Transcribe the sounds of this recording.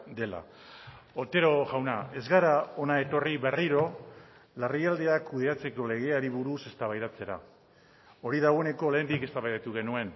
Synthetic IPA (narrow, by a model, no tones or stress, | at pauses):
d̪e̞la̰ | o̞t̪e̞ɾo̞ʝawnae̞zɣaɾao̞nae̞t̪o̞riβe̞riɾo̞ | lariald̪e̞akuð̞e̞at͡se̞ko̞le̞ɣ̞e̞aɾiβuɾuse̞st̪aβajɾat͡se̞ɾa̰ | o̞ɾiðaɣo̞e̞ne̞ko̞ːlajnd̪ike̞st̪aβajðat̪uɣ̞e̞nue̞n